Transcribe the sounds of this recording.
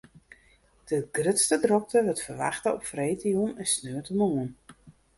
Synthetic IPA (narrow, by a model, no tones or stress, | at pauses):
d̥əɡ̥rʏtstədrɔk̚təʋətfərʋa̰xtəɔpfrejtijunɛnsnøətəmuən